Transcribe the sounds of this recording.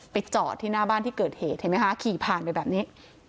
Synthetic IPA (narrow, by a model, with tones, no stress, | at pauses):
pa˨˧jt͡ɕɔː˨˩t̪ʰːiː˧˥˩naː˥˩baː˥˨nt̪iː˥˩kɤː˨˩t̪̚heː˨˩t̪̚ha˧˩ma˦˥ka˧˥kʰiː˨˩pʰaː˨˩npa˧jbɛː˨˩p̚niː˦˥